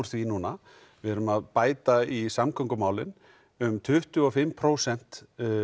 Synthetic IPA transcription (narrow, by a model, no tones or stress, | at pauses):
ɾ̥θvinuːna | vɛɛɾʏmaðpaːjt̪aisamkʰœŋkʏmaːwlɪn | ʏmt̪ʰʏht̪ʏɔfɪmpʰɾoːwsɛn̥t̪